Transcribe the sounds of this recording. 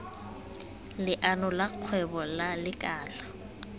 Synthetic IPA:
lɪʔanɔlaq͡χʰwɛbɔlalɪkʼaːɬḁ

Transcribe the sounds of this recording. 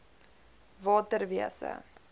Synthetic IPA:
vɑːtərviəsə̰

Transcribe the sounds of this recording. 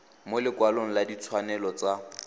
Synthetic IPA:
molɪkwaloŋ̩ladit͡sʰwanɛlɔt͡sa

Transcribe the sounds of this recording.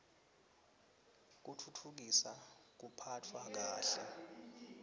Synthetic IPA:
k̬utʰutʰuk̬isak̬upʰatʰwak̬aːɬɛ

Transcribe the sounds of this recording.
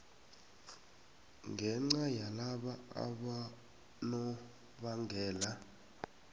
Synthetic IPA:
ŋɡʱɛŋ͡ǀajalaɓaa̰ɓa | nɔ | ɓaŋɡʱɛːla

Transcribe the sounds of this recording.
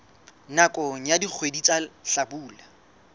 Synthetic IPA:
nakʼoŋ̩jadik͡xʰwedit͡sʼaɬabuːla

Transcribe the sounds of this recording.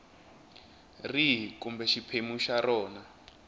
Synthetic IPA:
riɦkumbɛʃipʰemuʃarɔːna

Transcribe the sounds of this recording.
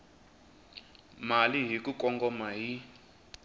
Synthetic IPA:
maliɦikukɔŋɡɔmaɦi

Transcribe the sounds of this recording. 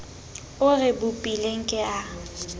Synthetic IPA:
ʊrɪbʊpʼileŋ̩kʼɛa

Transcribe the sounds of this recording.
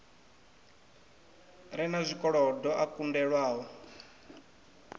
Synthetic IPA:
ɾɛnazʷikʼɔɺɔdɔʔakundɛɺwaːɦɔ

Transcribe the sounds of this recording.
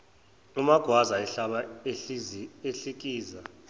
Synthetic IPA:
umaɡ̥ʱwazaɛɬaɓa | eɬik̬ʼiːza

